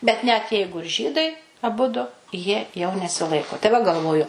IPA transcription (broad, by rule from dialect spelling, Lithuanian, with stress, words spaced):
bʲɛt nʲɛt ˈjɛɪɡʊ ɪr ˈʒʲiːdɐɪ ɐˈbʊdʊ jiɛ jɛʊ nʲɛsʲɪˈlˠɐɪkoː tɐɪ ʋɐ ɡɐlˠˈʋoːjʊ